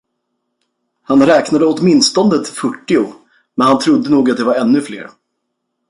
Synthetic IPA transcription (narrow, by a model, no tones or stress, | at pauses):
hanɾɛːknad̪əɔt̪mɪnst̪ɔnd̪ət̪fœʈːɪʊ | mɛnhant̪ʰɾʊd̪ːənuːɡat̪d̪ɛvaɾɛnːɵflḛːɾ